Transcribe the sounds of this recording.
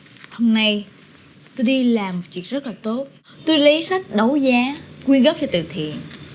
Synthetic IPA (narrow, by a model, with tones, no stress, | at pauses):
ho˧wmna˧j | t̪o˧jɗi˧laː˨˩mo˨˩t̚t͡ɕwi˨˩əzə˦˥laː˨˩t̪o˦˥t̚ | t̪u˧jlə˨˦jsa˦˥jk̟̚ɗə˨˦wzaː˨˦kwi˧ənɣə˦˥p̚t͡ɕɔ˧t̪ɨ̰˨˩t̪ʰḭ˧˨ən